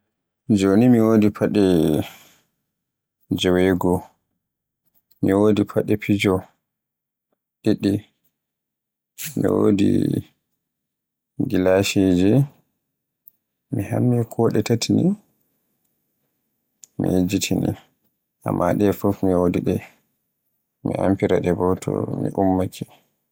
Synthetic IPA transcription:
d͡ʒonimiwoːdipʰaɗɛ | d͡ʒɔwɛɡɔ | miwodipʰaɗɛpʰid͡ʒɔ | ɗiɗi | mḭwo̰dḭ | ɡilaʃid͡ʒi | mihamːikʰɔɗɛtatini | mihed͡ʒitʰinḭ | ʔa̰mːaɗɛfufmiwodiɗɛ | mḭʔampiɾaɗɛbɔtʰɔ̰mḭʔumːakʰi

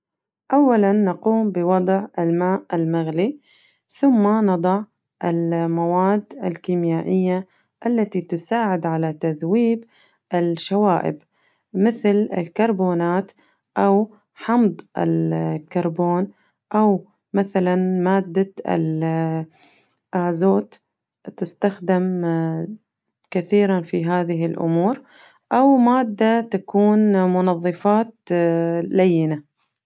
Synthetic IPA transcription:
ʔawːalanːaquːmbɪwɑd̪ˤʕɪlmaːʔɪlmaɣli | θʊmːanɑd̪ˤɑʕ | ʔɪlmawaːd̪ːɪlkiːmjaːʔɪjːa | ʔalːat̪it̪ʊsaːʕɪd̪ʕalat̪aðwiːb | ʔɪlʃawaːʔɪ̰b | mɪθlɪ̰lkɑɾˤboːnaːt̪ | ʔaw | ħɑmd̪ˤʔɪ̰lkɑɾˤboːn | ʔaw | maθalanmaːd̪ːaɪ̰l | ʔaːzoːt̪ | t̪ɪst̪axd̪ɪm | kaθiːɾanfiɦaːðɪɦɪlʔʊ̰muːɾ | ʔawmaːd̪ːat̪akuːnmʊnɑðˤːɨfɑːt̪ | lajːɪna

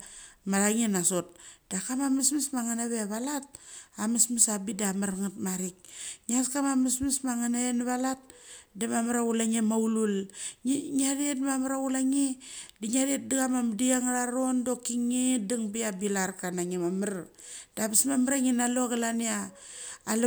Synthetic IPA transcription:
maɾaŋinasot̚d̥akamamasmismaŋanaβeaβalat̚amismisabidamaɾŋatmaɾik̚ɲiaskamamasmismaŋanaenaβalat̚damamaɾaulaŋemaulul | ŋadietmamaɾaulaŋidiŋadiet̚diɡamamdiaŋaɾaɾondokiŋediŋbiabilarkanaŋemamaɾd̥abismamaɾaŋinaloɣalaniaː | l

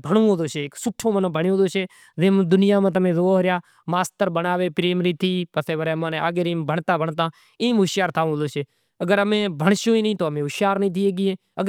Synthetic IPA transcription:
bʱəɳõːd̪oːʃeːksʊʈʰõːmənõbʱəɳjːd̪oːʃeː | zeːmd̪ʊnɪjaːmãːt̪̬əmẽːzoːɦɾɪjaː | maːst̪əɾɓənaːʋeːpɾeːmɾiːt̪ʰiːpəseːʋəɾeːmãːneːa̰ːɡeːɾiːmbʱəɳt̪aːbʱəɳt̪ãː | ĩːmɦʊʃjaːɾt̪ʰaːũːɦd̪oːseː | əɡəɾəmẽːbʱəɳʃjõːiːnĩːt̪oːəmẽːɦʊʃjaːɾnĩːt̪ʰiːeːɡɪːɦeː | ə

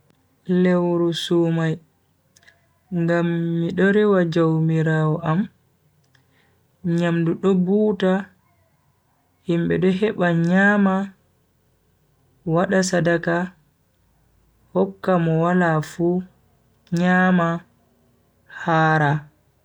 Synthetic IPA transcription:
lewɾusuːmaj | ŋɡamːiɗɔɾɛwad͡ʒowmiɾawɔʔam | ɲamduɗɔbuːta | himɓɛɗɔɦɛɓaɲaːma | waɗasadaka | hɔkːamɔwalafu | ɲaːma | haːɾa

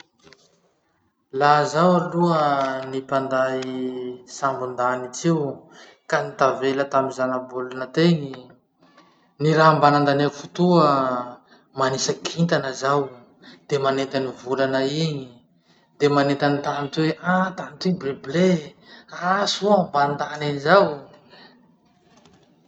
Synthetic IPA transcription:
lazawaluənipand̪aisambund̪anit͡siw | kanit̪avelət̪aminzanabulunət̪eɲi | niɾambanand̪anekufut̪uə | manisəkʰint̪anəzaw | d̪̥emanet̪anivulanaiɲi | d̪emanet̪anit̪ant̪weʔat̪anit̪ibleble | asuamband̪anaɲizaw

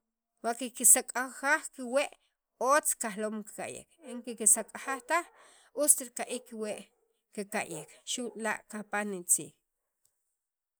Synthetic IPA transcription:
waʔkikisakʼaxaχkiweʔ | oːt͡skaxloːmki̥ka̰ʔjḛkeŋkikisakʼaxaχt̪aχ | ust̪iɾkaʔikːiweʔ | kekaʔjekʃuʔʼla̰ʔkapanit͡sḭːx

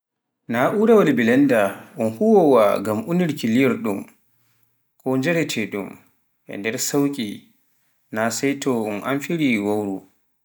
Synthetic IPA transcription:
naʔuɾawadibilɛndaʔunhuwɔwa̰ɡamʔuniɾkiliɛɾɗum | kʰɔnd͡ʒɛɾɛtʰɛɗṵm | ʔɛ̰ndɛɾsawkʼi | nasɛjtɔunʔa̰mfiɾiwawɾu

